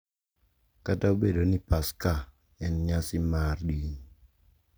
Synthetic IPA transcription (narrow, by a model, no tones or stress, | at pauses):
kataobedonipaska | ɛnɲasɪmardiɲ